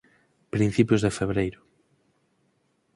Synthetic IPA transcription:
pɾin̟θipjʊzðefeβɾejɾʊ

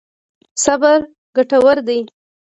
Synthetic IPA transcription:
sabaɾ | ɡaʈawaɾd̪aj

